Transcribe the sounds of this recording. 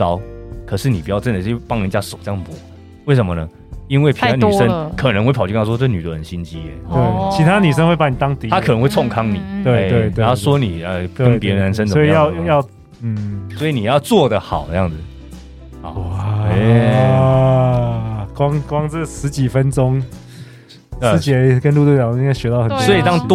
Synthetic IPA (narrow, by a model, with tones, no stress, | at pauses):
ɑ˦˥ʊkʰɤ˨˩ʂɻ̩˥˩ni˨pi˨˩t͡ɕjɑ˥˧ʊʈ͡ʂə˥˩nd̪ə˩˥˩pɑ˥˩ŋə˧˥˨t͡ɕja˥ʂo˨˩ʊt͡ɕjŋ˩pwɔ˧˥˦ | we˥˩ɪs̬ʂə˧˦mə˧nə˧˦ | i˦˥nwe˥˩ɪpʰny˨˥˩ʂə˦nkʰɤ˨˩n˧˦ŋxwe˥˩pʰɑ˨˩y˥˧˦wɔ˥t͡sə˥˩˨ny˨t̪whə˨˩nɕi˦nt͡ɕi˦˥ḛ˨˥we˥˩t͡ɕʰi˧˥t̪ʰa˥˧ny˨˩ʂ̬ə˦nwe˥˧pa˥ni˨˩t̪ɑ˥ŋt̪i˨˦t̪a˥kʰə˨nə˦ŋxwe˥˧ɪt͡sʰɔ˥˧ŋkʰɑ˥ŋnḭ˨˩t̪we˥˧e˥˩we˥˩ɪt̪ɑ˥˩swɔ˥ni˨˩ə˧˩kə˧˦npjɛ˧˥ɻə˧na˧˦nʂ̬ə˥nt͡sə˨si˨˦˧jɑ˥˧ʊ˧jɑ˥˧ʊ | n̩˥˩swɔ˧˥i˨˩ni˨˩jɑ˥˧ʊt͡swɔ˥˨d̪ə˨xɑ˨˩ʊt̪ə˧jɑ̰˥˩ŋd͡zɨ˨˩˨ | a˨˩˥ | kwɑ˦ŋkwɑ˦ŋt͡sə˥˩ʂɻ̩˧˦t͡ɕi˨˩fə˦nʈ͡ʂʊ˦˥ŋ˥˧ | t͡ɕɛ˧kə˦nlu˥˧t̪wu˥˩jɑ˨˩˨ĩ˥˦ŋa˥˩ɕɥɛ˧˥t̪ɑ˥˩ʊxə˩nssɔ˧˥i˨t̪ɑ˦˥ŋt̪